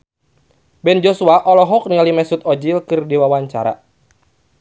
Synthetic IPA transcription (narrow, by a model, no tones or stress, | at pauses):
bɛnd͡ʒosuaʔɔlɔɦɔk̚niŋalimɛsut̪̚ɔd͡ʒilkɨrdiwawaɲt͡ʃa̰ɾa̰